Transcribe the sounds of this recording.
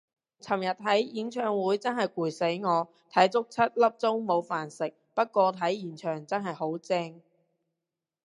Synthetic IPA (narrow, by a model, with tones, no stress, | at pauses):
t͡sʰɐ˨˩mjɐ˨˩t̚t̪ʰɐ˨˥jji˨˥ŋt͡ʃʰœː˧ŋwuː˨˥jt͡sɐ˥nɦɐ˨jkuː˨˩jse˨˥jŋɔː˨˧ | t̪ʰɐ˨˥jt͡sʊ˥k̚t͡sʰɐ˥t̚lɐ˥p̚t͡sʊ˥ŋmo˨˧wfaː˨˩nsɪ˨k̚pɐ˥t̚kʷɔː˧t̪ʰɐ˨˥jːiː˨˩nt͡ʃʰœː˨˩ŋt͡sɐ˥nɦɐ˨jho˨˥wt͡sɛː˥ŋ